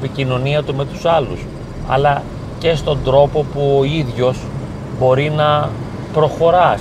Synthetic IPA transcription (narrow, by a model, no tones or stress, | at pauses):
picino̞niɐt̪ume̞t̪u̥sɐlṵs | ɐ̰lɐ | ce̞st̪o̞nd̪ɾo̞po̞puoiðʝo̞s | bo̞ɾinɐ | pɾo̞xo̞ɾɐ